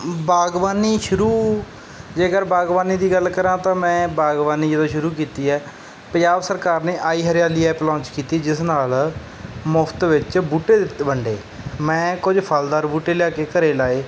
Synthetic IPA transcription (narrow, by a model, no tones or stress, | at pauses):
baːɡʋaːniːʃʊɾuː | d͡ʒeːɡəɾbaːɡʋaːniːd̪iːɡəlkəɾãːt̪ãːmɛ̃ːbaːɡʋaːniːd͡ʒəd̪õːʃʊɾuːk̬iːt̪iːɛː | pəd͡ʒaːʋsəɾkaːɾneːʔaːiːɦəɾɪjaːliːɛːplɔ̃ːt͡ʃkiːt̪iːd͡ʒɪsnaːl | mʊpʰt̪ʋɪt͡ʃbuːʈeːdt̪ːbəɳɖḛː | mɛ̃ːkʊd͡ʒpʰaːld̪aːɾbuːʈeːljaːkeːkəɾeːlaːeː